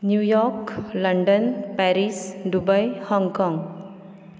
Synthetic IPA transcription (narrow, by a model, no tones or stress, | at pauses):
njujɔklʌɳɖənpaɾisɖubajhɔŋkɔŋ